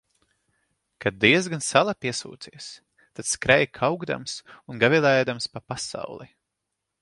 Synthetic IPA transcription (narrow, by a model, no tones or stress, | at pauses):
kad̪̚d̪iɛz̬ɡansalˠapiɛsṵːt̪siɛs | t̪at̪skɾɛjkʰawɡd̪a̰msunɡavilˠɛjd̪amspapasa̰wlˠi